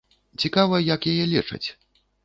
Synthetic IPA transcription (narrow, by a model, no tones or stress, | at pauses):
t͡sʲikavɐjɐjɐkjajɛlʲit͡ʂɐ̰t͡sʲ